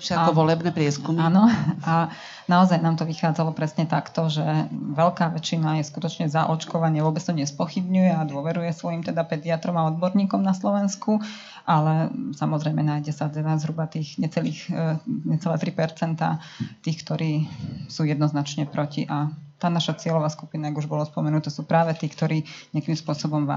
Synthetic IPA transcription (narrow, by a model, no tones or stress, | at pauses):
ʃaɔʋɔlɛbnɛpɾɪɛskumanɔa | naɔzajnaːmt̪ɔʋixaːd͡zalɔpɾɛsɲɛt̪akt̪ɔʒɛʋɛʎkaːʋɛt͡ʃinajɛskut̪ɔt͡ʃɲɛzaʔɔt͡ʃkɔʋaɲɪɛʋʊɔbɛt͡st̪ɔɲɛspɔxibɲujɛad̪ʊɔʋɛɾujɛsʋɔjimt̪ɛd̪apɛd̪iat̪ɾɔmaɔd̪̚bɔɾɲiːkɔmnaslɔʋɛnsku | ʔalɛsamɔzɾɛjmɛnaːjɟɛsad͡zɛʋazɦɾubat̪iːxɲɛt͡sɛliːxɲɛt͡sɛlɛ̰ːt̪ɾipɛɾt͡sɛnt̪a̰ː | t̪iːxkt̪ɔɾiːsuːjɛd̪nɔznat͡ʃɲɛpɾɔciʔat̪aːnaʃat͡sɪɛlɔʋaːskupinajaɡuʒbɔlɔspɔmɛnut̪ɛsuːpɾaːʋɛt̪iːkt̪ɔɾiːɲɪakimspʊɔsɔbɔmʋa̰